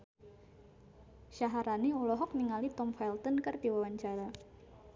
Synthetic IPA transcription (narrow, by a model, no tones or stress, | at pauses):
ʃaɦaɾaniulɔɦɔk̚niŋalit̪ɔmfɛlt̪ɔnkərdiwawaɲt͡ʃaɾa